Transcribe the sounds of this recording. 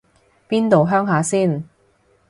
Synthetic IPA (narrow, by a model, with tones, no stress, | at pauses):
piː˥nt̪o˨wɦœː˥ŋɦaː˨˥siː˥˩n